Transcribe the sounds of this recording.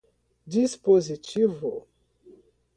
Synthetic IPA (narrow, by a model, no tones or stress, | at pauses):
dispozitivo̰